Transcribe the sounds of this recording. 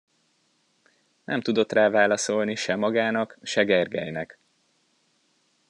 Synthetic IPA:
nʔɛ̰mt̪ud̪o̞t̪raːvaːlɒso̞lniʃɛmɒɡaːnɒkʃɛɡɛrɡɛ̰jnɛk

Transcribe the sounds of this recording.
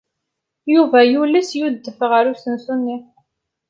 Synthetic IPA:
juvæjulisjud̪ːəfʁəɾusənsunːi

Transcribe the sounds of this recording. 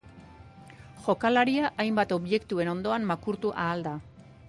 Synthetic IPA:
ʝo̞kalaɾiaʔajmbat̪o̞βʝe̞kt̪ue̞no̞nd̪o̞ammakuɾt̪uʔaːld̪a

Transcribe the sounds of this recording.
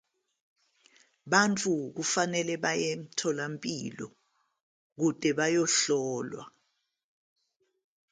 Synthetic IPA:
ɓant͡fʰʼuk̬ufanɛlɛɓajem̩tʰɔlampʼilɔ̰ | k̬ud̥ʱʼɛɓajɔɬɔːlwa̰

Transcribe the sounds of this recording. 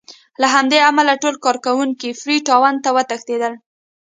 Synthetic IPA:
laɦamd̪eamalaʈolkɑɾkawuŋkifɾiʈɑwant̪awət̪əxt̪ed̪əl

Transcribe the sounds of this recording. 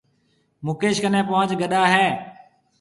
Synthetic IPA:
mʊkeːʃkənẽːpoːəd͡ʒɡəɗaːɦɛː

